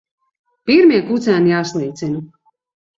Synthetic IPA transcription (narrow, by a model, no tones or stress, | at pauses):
piɾmiɛkut̪sæːnijaːslˠiːt̪sinu